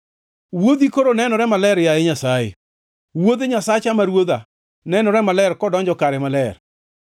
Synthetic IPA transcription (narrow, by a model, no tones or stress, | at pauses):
wod̪ikoɾonɛnɔɾɛmalɛɾjaeɲasajḛ | wod̪eɲasat͡ʃamaɾwoða | nɛnɔɾɛmalɛɾkɔdɔɲd͡ʒɔkaɾɛmalɛɾ